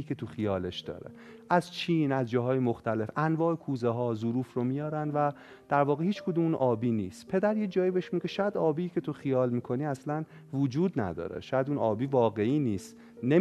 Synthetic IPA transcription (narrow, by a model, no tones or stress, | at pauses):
iːkʰe̞t̪ʰuxijɒːle̞ʃd̪̥ɒ̰ːɾḛ | ʔæzt͡ʃʰiːnæzd͡ʒɒːɦɒːjemoxt̪æle̞fʔænvɒːekʰuːzeɦɒːzuɾuːfromijɒːɾænvæ | d̪̥æɾvɒːɣehiːt͡ʃkʰod̪umnʔɒːbiːniːst̪pʰe̞d̪æɾjed͡ʒɒːjibeeʃmiɡeʃæd̪ɒːbiːcʰe̞t̪ʰoxijɒːlmiːkʰo̞niːæslæn | vud͡ʒuːd̪næ̰d̪ɒ̰ːɾḛʃɒæd̪unɒːbiːvɒːɣe̞iːniːst̪ | ne